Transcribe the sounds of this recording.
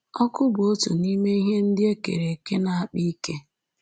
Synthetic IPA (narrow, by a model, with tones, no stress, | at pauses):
ɔ˦kʊ˦bʊ˨o˦tu˨ni˦me˦i˦ɦe˦n̩˦dɪ˦e˦kḛ˨ɾe˨ke˦na˨a˦˨k͡pi˦i˦ke˦